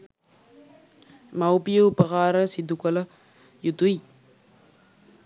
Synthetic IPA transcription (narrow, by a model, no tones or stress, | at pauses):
mawpijopəkaːɾəsid̪ukələ | jut̪ui